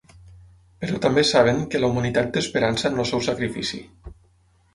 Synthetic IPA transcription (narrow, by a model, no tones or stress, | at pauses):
pəɾɔt̪ambesaβ̞eŋkəlaumanit̪at̪̚d̪əspəɾansənosɛwsakɾifḭsḭ